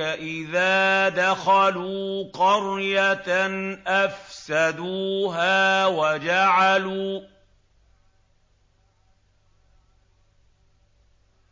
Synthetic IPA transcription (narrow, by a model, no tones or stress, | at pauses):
aʔɪðaːd̪axaluːqɑɾjat̪nʔafsad̪uːɦaːwad͡ʒaʕaluː